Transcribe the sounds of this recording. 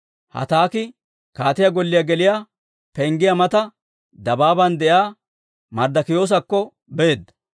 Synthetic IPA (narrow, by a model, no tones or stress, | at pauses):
hɐ̰t̪aːkɪ | kaːt̪ɪjɐɡɔlːɪjɐɡɛlɪja | pɛŋɡɪjɐmɐt̪ɐ | d̪ɐbaːbɐnd̪ɛjaː | mɐɾd̪ɐkɪjo̞ːs̬ɐkːɔ | beːd̪ːɐ̥